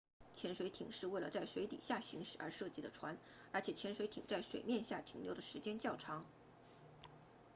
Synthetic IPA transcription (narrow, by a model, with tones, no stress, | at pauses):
t͡ɕʰjɛ˧˥nʂwe˧˥ɪt̪ʰḭ˨˩ŋʂɻ̩˥˧we˥˩ɪlə˩t͡sa˥˩ɪʂwe˧˥ɪt̪ḭ˨˩ɕja˥˩ɕi˧˥ŋʂɻ̩˨˩ə̰˞˧˥ʂɤ˥˧t͡ɕi˥˩d̪ə˧ʈ͡ʂʰwa˧˥n | ə˞˧˥t͡ɕʰjɛ˨˩t͡ɕʰjɛ˧˥nʂwe˧˥ɪt̪ʰi˨˩ŋt͡sa˥˩ɪʂwe˨˩mjɛ˥˧nɕja˥˩t̪ʰi˧˥ŋljo˧˥d̪ə˨ʂɻ̩˧˥t͡ɕjɛ˥nt͡ɕjɑ˥˩ʊʈ͡ʂʰɑ˧˥ŋ